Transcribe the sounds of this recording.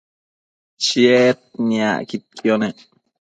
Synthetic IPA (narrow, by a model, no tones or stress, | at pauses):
t͡ʃiet̪̚nia̰kit̪̚kʰjone